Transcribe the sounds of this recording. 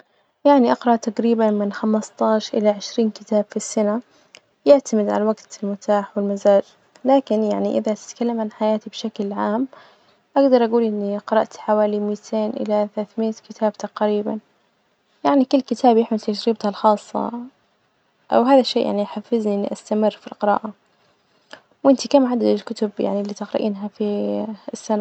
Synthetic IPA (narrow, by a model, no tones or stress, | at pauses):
jaʕniʔɑqɾˤɑʔt̪aqɾiːbanmɪnxamst̪ˤɑːʃʔɪ̰laʕɪʃɾiːnkɪt̪aːb̥fisːana | jɪʕt̪amɪd̪ʕa̰lawaɡt̪ɪlmʊt̪ʰaːħwɪlmazaːd͡ʒ | laːkɪnja̰ʕniʔɪ̰ðat̪ɪ̥t̪kalːamʕanħajaːt̪ibʃaklʕaːm | ʔaɡd̪ɑɾˤʔaɡuːlʔɪnːiqɑɾˤɑʔt̪ħawaːlimiːt̪ʰeːnʔɪ̰laθalaːθmiːt̪kɪt̪ʰaːb̚t̪aqɾiːba̰n | jaʕnikʊlːkɪt̪ʰaːbjɪħmɪlt̪ad͡ʒɾiːb̚t̪halxɑːsˤːɑ̰ | ʔa̰wɦaːðaʃːeːʔja̰ʕniħafːɪzniʔɪnːḭʔast̪amɪrːfilqɪɾɑ̰ːʔa | wʔɪnt̪ikaːmʕad̪aɪlkʊt̪ʊbja̰ʕnilːiːt̪ɪqɾɑ̰ʔḭːnɦafiɪsːana